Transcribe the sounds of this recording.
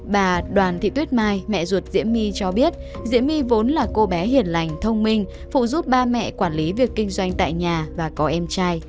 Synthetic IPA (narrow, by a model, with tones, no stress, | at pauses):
ɓaː˨˩ɗwaː˨˩nt̪ʰḭ˧˨t̪wi˦˥t̚maː˧jmɛ̰˧˨zu˨˩ət̚zḭ˧˥əmi˧t͡ɕɔ˧ɓi˦˥ət̚ | zḭ˧˥əmi˧vo˨˦nlaː˨˩ko˧ɓɛ˨˦ɦi˨˧˩ənla˨˩jŋ̟t̪ʰə˧wŋ͡mmï˧ŋ̟ | fṵ˧˨zu˦˥p̚ɓaː˧mɛ̰˧˨kwaː˧˩nli˨˦vi˨˩əkːï˧ŋ̟zwa˧jŋ̟t̪a̰ː˧˨jɲaː˨˩vaː˨˩kɔ˨˦ʔɛ˧mt͡ɕaː˧j